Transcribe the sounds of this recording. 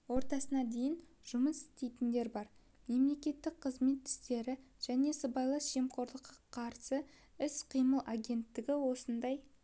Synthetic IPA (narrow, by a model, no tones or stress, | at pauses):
wo̞ɾt̪ɑsənɑd̪e̞jɪn | ʒ̥ʊməsɪ̥st̪e̞jt̪ɪnd̪e̞ɾbɑɾ | me̞mle̞kʲe̞t̪ːɪk̚qʰəzme̞t̪ʰːɪ̥st̪e̞ɾɪʒ̥æne̞səbɑjlˠəsʒ̥e̞mqʰo̞ɾlˠəqːɑqʰɑɾsə | ɪsqʰijməlˠʔaɡʲe̞nt̪ːɪɡʲɪwo̞sənd̪ɑj